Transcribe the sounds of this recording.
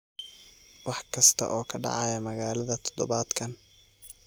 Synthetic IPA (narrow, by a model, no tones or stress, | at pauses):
wɑħkʰɐst̪ʰɐ̰ʔɔːkʰɐɖɑ̰ʕɑjɐmɐɣaːlɐðɐt̪ʰɔ̥d̪ɔβaːd̪̥kʰɐn